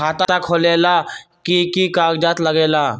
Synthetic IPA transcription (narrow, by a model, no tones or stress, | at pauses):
at̪aakʰolelakikikaɡd͡ʑat̪ləɡela